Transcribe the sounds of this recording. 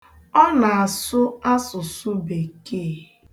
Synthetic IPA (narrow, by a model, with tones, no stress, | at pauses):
ɔ˦na˨a˨sʊ˦a˦sʊ˨sʊ˦be˨ke˦˨